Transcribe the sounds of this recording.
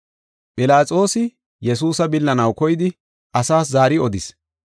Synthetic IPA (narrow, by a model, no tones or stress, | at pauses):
pʼɪlaːt͡sʼo̞ːsɪ | jɛs̬uːsɐbɪlːɐnɐwkɔjɪd̪ɪ | ʔɐsaːs̬zaːɾɪɔd̪ɪs